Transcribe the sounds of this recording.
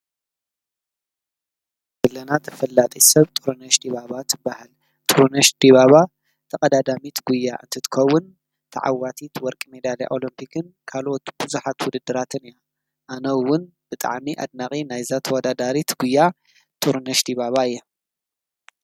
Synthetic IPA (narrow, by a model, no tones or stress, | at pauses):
bɨlːɐnat̪ʰɐ̥fɐlːat̪ʼisɐβt̪ʼuɾunɐʃd̪iβaβat̪ʰɨbːahal | t̪ʼuɾnɐʃd̪̥iβaβa | t̪ʰɐkʼɐd̪ad̪amit̪ɡujːaʔɨ̰nt̪ʰɨt̪ʰɨ̥kʰɐwːʊn | t̪ʰɐ̰ʕa̰wat̪ʰit̪wɔɾkʼimed̪alḭʔolɐmpʰikʰɨnkʰalʔo̞t̪b̥ɨzuħat̪wʊd̪ɨd̪ːɨɾat̪ʰɨnɨja | ʔanɐwwʊn | b̥ɨt̪ʼa̰ʕmiʔa̰d̪̚naχʼinajzat̪ʰwɔd̪ad̪aɾit̪ɡujːa | t̪ʼuɾnɐʃd̪iβaβaɨjːa